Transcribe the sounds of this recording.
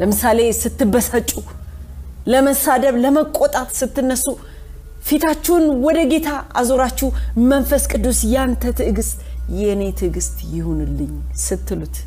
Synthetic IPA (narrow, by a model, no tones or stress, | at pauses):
ləmɨsale̞sɨt̪ːɨbːəsat͡ʃʼu | ləməsad̪əβləməkʼo̞t̪ʼat̪ʼsɨt̪ːɨnːəsu | fit̪ʰat͡ʃːɛwnwɔd̪əɡe̞t̪ʰaʔazoɾat͡ʃːɪmːənfəskʼɨd̪ːusjant̪ʰət̪ʰɨʔɡɨst̪ʼjɛne̞t̪ʰɨɡɨst̪ʼjɪhunɨlːɨɲ | sɨt̪ʰːɨlut̪